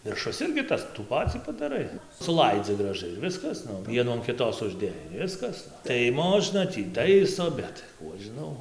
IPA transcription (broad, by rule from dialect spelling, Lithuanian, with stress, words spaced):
ʋʲɪrˈʃʊs ˈɪrʲɡʲɪ ˈtɐs tuː ˈpɑːt͡sʲiː pɐdɐˈrɐɪ sʊˈlˠɐɪd͡zʲɪ ɡrɐˈʒɐɪ ɪr ˈʋʲɪskɐs ˈʋʲiɛnuː ɐn kʲɪˈtoːs ʊʒʲˈdʲeːjɛɪ ɪr ˈʋʲɪskɐs tɐɪ ˈmoːʒnɐ tʲiː ˈtɐɪsoː ˈbʲɛt ˈkuː ɐʃ ʒʲɪˈnɐʊ